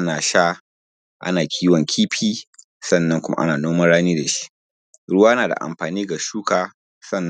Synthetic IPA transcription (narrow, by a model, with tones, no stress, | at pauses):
ʔa˦naː˨ʃaː˦ | ʔa̰˦naː˨kʲʰiː˦wɔ˨ŋkʲʰiː˦ɸʰiː˦ | sɐ˦˨nːɐ˦ŋkʷʊ˦ma̰˦ʔa̰˦naː˨noː˦mɐ˦ɽaː˦niː˦da˨ʃi̥˦ʔ | ɽʊ˦waː˦ʔnaː˨da̰˨ʔa̰˨mɸaː˨niː˦ɡa˨ʃuː˦kaː˨ | sɐ˦˨nː˦